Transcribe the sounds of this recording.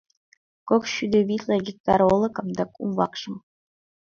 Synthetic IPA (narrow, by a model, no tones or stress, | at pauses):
kokɕyd̪ʲĕbʲit̪ʲlʲˠɤ̆ɡʲik̚t̪ɑɾolˠɤ̆kɤ̆md̪ɑkṵmvɑ̰kʂɤ̆m